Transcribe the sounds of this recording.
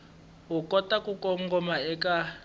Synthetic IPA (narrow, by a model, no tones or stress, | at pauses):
ɦukʼɔtakukʼɔŋɡɔmaɛkʼa